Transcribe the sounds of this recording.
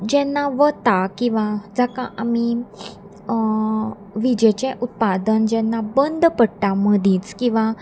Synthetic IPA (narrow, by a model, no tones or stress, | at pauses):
d͡ʑɛnːaʋət̪akĩw̃ʋad͡zakaʔami | ʋid͡ʑɛt͡ɕɛ̃ʔut̪̚pad̪ənd͡ʑɛnːabənd̪ʱpəɽʈãməd̪ʱĩːt͡skĩʋa